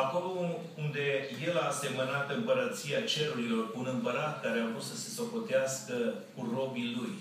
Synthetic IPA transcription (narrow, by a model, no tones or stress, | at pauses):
ako̞lo̞ | und̪e̞je̞laːse̞mənat̪ɨmpəɾət̪siat͡ʃe̞ɾuɾilo̞rkuːnɨmpəɾat̪̚kaɾeavɾut̪səse̞so̞ko̞t̪easkə | kuro̞biluj